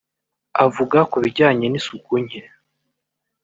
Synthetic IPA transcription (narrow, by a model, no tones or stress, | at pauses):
avuɡakuβiɾɟaːɲe̞nisukuɲe